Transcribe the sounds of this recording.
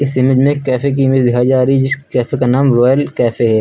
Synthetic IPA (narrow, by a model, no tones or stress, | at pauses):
ɪsɪməd͡ʒmẽkːɛːfek̬imɪd͡ʒd̪ɪɦʰaːid͡ʒaːɾid͡ʒɪskɛːfekanaːmɾɔːjəlkɛːfeɦɛː